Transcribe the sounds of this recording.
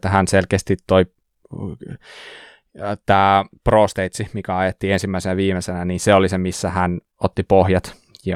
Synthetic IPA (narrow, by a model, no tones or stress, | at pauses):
t̪ːæhænselkeːst̪it̪toi | t̪æːproːst̪eit̪simikæɑjet̪ːiensimːæisenæʋiːmesenæniːnseolisemisːæhæn | ot̪ːipohjɑt̪ | jɑ